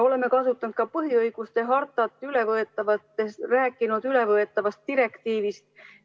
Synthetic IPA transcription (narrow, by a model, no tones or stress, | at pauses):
o̞leme̞kɑsut̪ːˑɑnd̪̥kɑpɤɦiɤjɡ̥ust̪e̞ɦɑrt̪ːˑɑt̪ːˑyle̞vɤe̞t̪ːˑɑvɑt̪ːesræːkːˑinud̪yle̞vɤe̞t̪ːˑɑvɑst̪̚ːiɾe̞kt̪iːvist̪̚